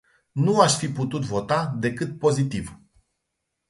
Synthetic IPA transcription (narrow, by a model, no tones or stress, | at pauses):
nuaʃfiput̪ut̪vo̞t̪ad̪e̞kɨt̪̚po̞zit̪iv